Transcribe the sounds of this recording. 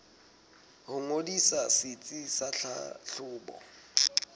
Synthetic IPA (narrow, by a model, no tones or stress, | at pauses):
hʊŋodisasɪt͡sʼisaɬa̰ɬʊːbɔ̰